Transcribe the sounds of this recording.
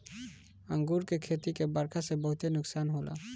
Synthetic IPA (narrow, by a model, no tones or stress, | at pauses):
aŋɡuɾkekʰet̪ikebaɾkʰasebɔɦut̪enuksanɦola̰